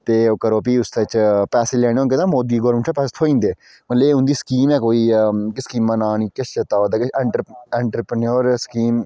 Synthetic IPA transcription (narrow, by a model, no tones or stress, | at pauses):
t̪eːoːkəɾoːpiːʊst̪et͡ʃpɛːseːlɛːɽ̃eːonket̪ãːmoːd̪iːɡɔːɾməɳʈʰaːpɛːse̥t̪ʰoːĩːnd̪eː | mət̪leːʊ̃nd̪iːskiːmɛːkoːiːkɪskiːmːãːnãːniːkɪʃt͡ʃət̪aːoːd̪aːkɪɛːɳʈɾɛːɳʈɾəpɾənoːɾskiːm